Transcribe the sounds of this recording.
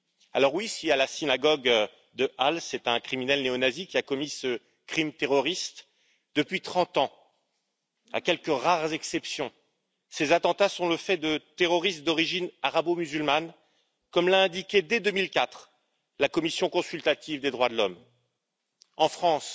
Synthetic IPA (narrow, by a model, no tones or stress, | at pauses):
alɔʁwisialasinaɡɔɡ | d̪əʔalsɛt̪ɛ̃kχiminɛlneɔnazikʲiakɔmisə | kχimt̪eʁɔʁist̪ | d̪̥əpɥit̪χɑ̃t̪ɑ̃ | a̰kʲɛlkəʁaʁzɛksɛpsjɔ̃ | sezat̪ɑ̃t̪asɔ̃ləfɛd̪ət̪eʁɔʁist̪d̪ɔʁiʒinaʁabomyzylman | kɔmlaɛ̃d̪ikʲed̪ed̪ømilkat̪χ | lakɔmisjɔ̃kɔ̃sylt̪at̪ivd̪ed̪ʁwad̪əlɔm | ɑ̃fχɑ̃s